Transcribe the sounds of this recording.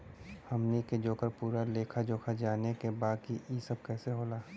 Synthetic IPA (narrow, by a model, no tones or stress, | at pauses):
həmniked͡ʒoːkəɾpuːɾaleːkʰad͡ʒoːkʰad͡ʒaːnekebaːkiʔisəb̚kɛːseɦoːlaː